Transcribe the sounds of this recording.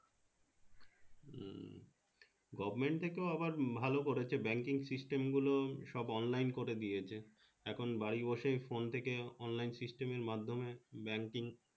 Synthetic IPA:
ɡɔbmeɳʈ̚t̪ʰekeoabaɾbʱalokoɾet͡ɕʰebɛŋkiŋsisʈemɡuloʃɔbɔnlajnkoɾed̪ijet͡ɕʰe | ɛkʰonbaɽibɔʃejfont̪ʰekeɔnlajnsisʈemeɾmad̪ʱːomebɛŋkiŋ

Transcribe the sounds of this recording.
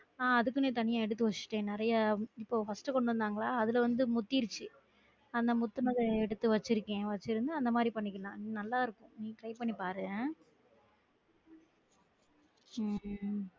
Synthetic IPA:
aːɐðɯkːɯnẽːt̪ɐɳɪjãːɛɽɯt̪ːɯʋɐt͡ʃːɯ̥ʈːẽːnɪɾɐjaɪpːoːfɐsʈɯkɔɳɖɯɾɐnd̪aːŋɡɐɭaːɐðɪlɐʋɐnd̪ɯmʊt̪ːiɾɯt͡ʃːɯ | ɐnd̪ɐmʊt̪ːɯnɐðɐɛɽɯt̪ːɯʋɐt͡ʃːɪɾɯkːẽːʋɐt͡ʃːɪɾɯnd̪ɯɐnd̪ɐmaːd̪ɾipɐɳːɪk̬ːɐlãːniːnɐlːaːɪɾɯkːʊ̃nĩːʈɾɐɪpɐɳːipaːɾɯðẽː | mː

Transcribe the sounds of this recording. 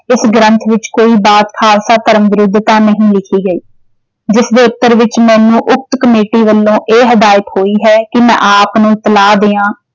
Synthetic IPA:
ɪsɡɾənt̪ʰʋɪt͡ʃkoːiːbaːt̪kʰaːlsaːt̪əɾəmʋɪɾʊd̪ʱːt̪aːnəɦĩːlɪkʰiːɡəiː | d͡ʒɪsd̪eːʊt̪ːəɾʋɪt͡ʃmɛ̃ːnũːʔʊk̚t̪kəmeːʈiːʋəlːõːʔeːɦəd̪aːjɪəkhoːiːɦɛːkɪmɛ̃ːʔaːpnũːt̪əlaːd̪eːãː

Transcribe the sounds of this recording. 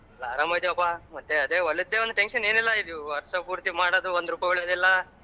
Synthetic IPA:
lːaaːɾaːmɐjd̪iɐpːamɐt̪ːeɐd̪eːɐɭːud̪ːeːond̪uʈenʂɐne̞ːnilːɐid̪uɐɾɐsɐpuːɾt̪imaːɽod̪uond̪ɾuːpɐjbeɭjɐd̪ilːɐ

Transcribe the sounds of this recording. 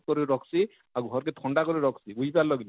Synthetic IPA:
kɔɾiɾɔksi | auɡʱɔɾketʰɔɳɖakɔɾiɾɔksiuibalɔɡin

